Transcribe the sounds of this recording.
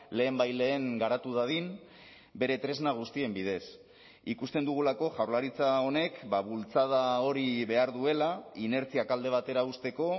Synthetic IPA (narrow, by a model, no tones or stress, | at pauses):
le̞ːmbajle̞ːŋɡaɾat̪uðað̞in | be̞ɾe̞t̪ɾe̞znaɣ̞ust̪ie̞mbið̞e̞s | ikust̪e̞nd̪uɣ̞ulako̞ʝawɾlaɾit͡sao̞ne̞kbaβult͡sað̞ao̞ɾiβe̞aɾðue̞laine̞ɾt͡siakald̪e̞β̞at̪e̞ɾaust̪e̞ko̞